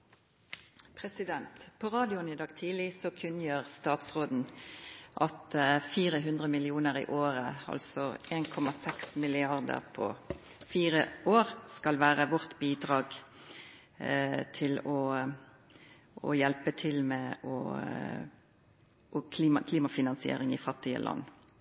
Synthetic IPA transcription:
pʰʁɛsɪd̪ɛnt̪pʰɔʁɑːd̪ɪʊnɪd̪ɑːɡt̪ʰiːlɪsɔkʰʉnjəʁst̪ɑːt̪sʁoːd̪n̩ʔɑt̪fiːʁəɦʉnd̪ʁəmɪlɪuːnəʁḭːʔoːʁəɑ̰lsɔʔeːnkʰɔmɑsɛksmɪlɪɑʁd̪ə̰ʁpʰɔ̰ | fiːʁəʔoːɾskɑlʋæːʁəʋɔʁt̪biːd̪ʁɑːɡ | t̪ʰɪlɔ | ʔɔ̰jɛlpət̪ʰɪlmɛɔ̰ | ɔkʰliːmɑkʰliːmɑfɪnɑnsɪḛːɾɪŋɪfɑt̪ːɪə̰lʔɑ̰nː

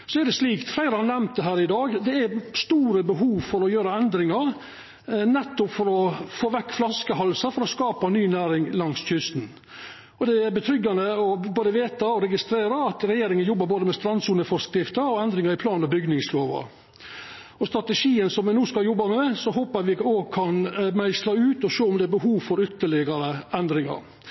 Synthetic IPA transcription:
sɔæɾɖ̪ɛsliːkt̪flæɪɾəhɑnɛmt̪̚d̪ɛɦæːɾɪd̪ɑːɡd̪ɛæst̪uːɾəbəɦuːʋfɔɾɔjøːɾɑɛnd̪ɾɪŋɑɾ | nɛt̪ːʊpfɔɾɔfoːʋɛkːflɑskəɦɑlsɑfɔɾɔskɑːpɑnyːnæːɾɪŋlɑŋsçʏst̪n | ɔd̪ɛæbət̪ʰɾʏɡːɑnəɔboːd̪əʋeːt̪ɑɔɾɛɡɪst̪ɾeːɾɑɑt̪ɾɛjeːɾɪŋənjɔbːɑɾboːd̪əmɛst̪ɾɑnsuːnəfɔskɾɪft̪əɔɛnd̪ɾɪŋɑɾɪpʰlɑːnɔbʏɡnɪŋsloːʋɑ̰ | ɔst̪ɾɑt̪əʂiːənsɔmʋɛnuːskɑljɔbːɑmɛsɔɦoːpəæʋɪoːɡkʰɑnmæɪslɑʉːt̪ɔʃoːʊmd̪ɛæɾbəɦuːʋfɔɾʏt̪ːəɭɪɡɑɾəɛnd̪ɾɪŋɑ̰ɾ

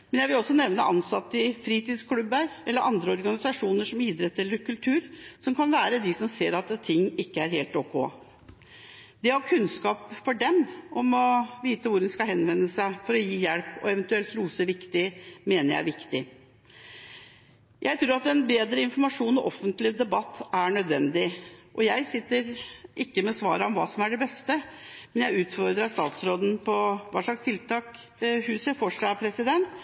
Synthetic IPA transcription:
mɛnjæɪʋɪlɔsːɔnɛʋnəʔɑnsɑt̪ːɪfɾiːt̪iːd̪skʰlʉbːəɾɛlːəɾʔɑnd̪ɾəɔɾɡɑnɪsɑʂuːnəʂɔmiːd̪ɾɛt̪ːəɛlːəɾkʰʉlt̪ʰʉːɾsɔmkʰɑnʋæːɾəd̪ɪsɔmseːɾɑt̪t̪ʰːɪŋːɪkːəæɾɦeːlt̪ɔkoː | d̪̥ɛhɑɾkʰʉnskɑːpfɔɖɛmʔɔmɔʋiːt̪əʋʊɾd̪ɛnskɑɦɛnʋɛnːəsæɪfɔɾɔjiːjɛlpɔ̰ɛʋɛnt̪ʉɛlt̪ɾuːsəʋɪkt̪ɪmeːnəɾjæ̰æ̰ɾʋɪkt̪ɪ | jʔæɪt̪ʰɾuːɾɑt̪ɛnbeːd̪ɾəɪnfɔɾmɑʂuːnɔʔɔfːənt̪lɪd̪ɛbɑt̪ːæɾɳœd̪ʋɛnd̪ɪʔɔjæɪsɪt̪ːəɾʔɪkːəmɛsʋɑ̰ːɾəɔmʋɑ̰ːsɔmæɖɛbɛst̪əmɛnjæɪʉːt̪fɔɾd̪ɾɑst̪ɑ̰ːt̪sɾoːd̪n̩pʰɔʋɑ̰ːʂɭɑkst̪ʰɪlt̪ʰɑːk | hʉːsəfɔʂɑpʰɾɛsɪd̪ɛnt̪

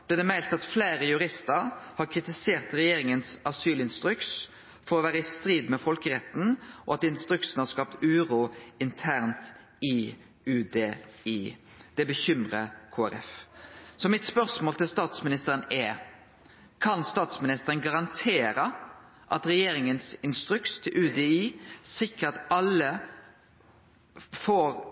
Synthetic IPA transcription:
d̪̥ɛd̪ɛmæɪlt̪ɑt̪flæɪɾəjʉɾɪst̪əɾhɑɾkʰɾɪt̪ɪseːʁt̪ɾɛjeːɾɪŋənsɑsyːlɪnst̪ɾʉks | fɔɾɔʋæːɾəɪst̪ɾiːd̪mɛfɔlkəɾɛt̪n̩ʔɔ̰ɑt̪ɪnst̪ɾʉksnhɑskɑp̚t̪ʉːɾuːɪnt̪ʰæːʁnt̪ | ɪ | ʉːd̪eːiː | d̪̥ɛbəçʏmʁəkʰoːæɾɛfsɔmɪt̪spœʁsmoːlt̪ʰɪlst̪ɑːt̪smɪnɪst̪əɾənɛ | kʰɑnst̪ɑːt̪smɪnɪst̪əɾənɡɑʁɑnt̪ʰeːɾə | ʔɑt̪ɾɛjeːɾɪŋənsɪnst̪ɾʉkst̪ʰɪlʔʉːd̪eiːsɪkət̪ɑlːə | foːɾ

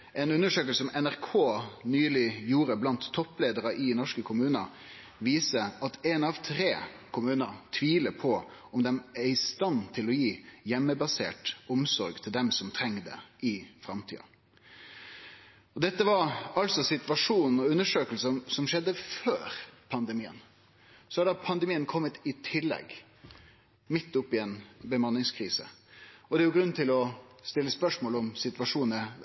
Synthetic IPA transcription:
ʔɛnʉnːəʂøːkəlsəɔmɛnæʁkʰoːnyːlɪjuːɾəblɑnt̪ʰːɔpːleːd̪əɾəʔɪnɔʂkəkʰʊmʉːnə | ʋiːsəʔɑt̪ɛnɑʋt̪ʰɾeːkʰʊmʉːnət̪ʰʋiːləpʰɔ | ɔmd̪ɛmæɾɪst̪ɑnt̪ʰɪlɔjiːjɛmːəbɑsḛːʈʊmsɔɾɡt̪ʰɪld̪ɛmsɔmt̪ʰɾɛŋːd̪ɛ̰ɪfɾɑmt̪ʰḭːɑ̰ | ɔd̪ɛt̪ːəʋɑɾɑltsɔsɪt̪ʋɑʂuːnɔʉnːəʂøːkəlsəsɔmʂɛd̪ːəføːɾpʰɑnd̪əmiːə̰n | sɔhɑɖ̪ɑpʰɑnd̪əɛmiːənkʰɔmːət̪ɪt̪ʰɪlːɛ̰ɡ | mɪt̪ːʊpːɪɛnbəmɑnːɪŋskʰɾiːsə̰ɔd̪ɛːjʊɡɾʉnːt̪ʰɪlɔst̪ɪlːəspœʂmoːlɔmsɪt̪ʉʋɑʂuːnə

